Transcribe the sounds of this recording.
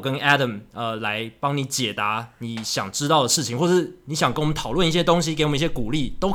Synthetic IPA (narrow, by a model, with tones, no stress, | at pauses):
kə˦næ˥ɾə˨˩mə˧la˧˦ɪpɑ˦ŋni˨˧˦t͡ɕjɛ˨˩t̪a˧˦ni˨˦ɕjɑ̰˨˩ŋʈ͡ʂɻ̩˦˥t̪ɑ˥˩ʊd̪ə˩ʂɻ̩˥˩t͡ɕʰi˨˦ŋxwɔ˥˧˩ʂɻ̩˥˩ni˨˦ɕjɑ˨˩ŋkə˥nwə˦nt̪ʰɑ˨˩ʊlwə˥˨ni˥˩ɕjɛ˥t̪o˥ŋɕ̬i˥ke˧ɪwm˦i˥˩ɕjɛ˥ku˨˩li˥˨t̪o˥ʊk